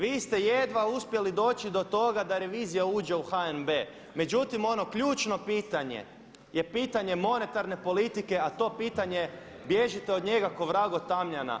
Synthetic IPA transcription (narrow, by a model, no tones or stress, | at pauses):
ʋiːst̪e̞jed̪ʋauspje̞lid̪o̞ːt͡ɕid̪o̞t̪o̞ɡad̪aɾe̞ʋiːzijauːd͡ʑe̞uxaenbe | me̞d͡ʒut̪imo̞no̞kʎuːt͡ʃno̞piːt̪aɲḛ | je̞piːt̪aɲe̞mo̞ne̞t̪aɾne̞po̞lit̪ike̞at̪o̞ːpiːt̪aɲe̞ | bjeʒit̪eod̪ɲe̞ɡako̞ʋɾaɡo̞t̪amʎana̰